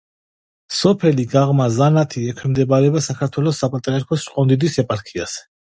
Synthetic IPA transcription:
sɔpʰɛliɡaʁmazanat̪ʰiɛkʰwɛmd̪ɛbaɾɛbasakʰaɾt̪ʰwɛlɔsːapʼat̪ʼɾiaɾkʰɔst͡ʃqʼɔnd̪id̪isɛpʼaɾkʰias

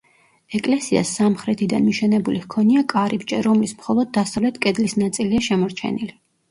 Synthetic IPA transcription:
ɛkʼlɛsia̰sːamχɾɛt̪ʰid̪anmiʃɛnɛbulihkʰɔniakʼaɾibt͡ʃʼɛɾɔmlismχɔlˠɔd̪ːasavlɛt̪ʰkʼɛd̪lisnat̪sʼiliaʃɛmɔɾt͡ʃʰɛ̰nili

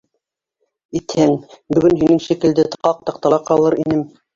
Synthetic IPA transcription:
it̪hæŋbɵ̆ɡɵnɦinɘŋʃikɘ̆ld̪ɘt̪qɑq̚t̪ɑq̚t̪ɑlˠɑqɑlˠɤɾinɘm

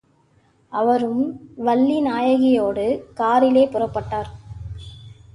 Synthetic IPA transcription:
ɐʋɐɾɯmʋɐlːinaːjɐɣɪjoːɽɯkaːɾɪleːpʊrɐpːɐʈːaːɾ

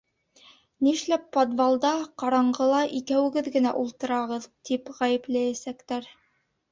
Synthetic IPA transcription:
niʃlæpːod̪vɑlˠd̪ɑqɑɾɑɴɢɤ̆lˠɑʔikæwɘ̆ɡɘðɡɘ̆næʔulˠt̪ɤ̆ɾɑʁɤðt̪ipʁæjɘ̆plæjæsækt̪æɾ

